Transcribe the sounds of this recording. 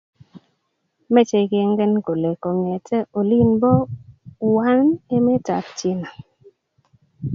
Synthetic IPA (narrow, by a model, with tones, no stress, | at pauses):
mɛ˦t͡ʃe˨ke˦ŋɡɛ˦nko˨le˨kɔ˨ŋɛ˨tɛ˦o˨li˦nbɔ˦wa˦ne˦mɛ˦ta̰˨pt͡ʃe˦na˨